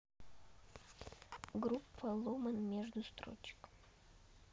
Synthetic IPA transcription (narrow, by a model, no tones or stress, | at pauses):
ɡɾupːɐlˠomənmʲeʐd̪ʊst̪ɾo̰t͡ɕɪ̥k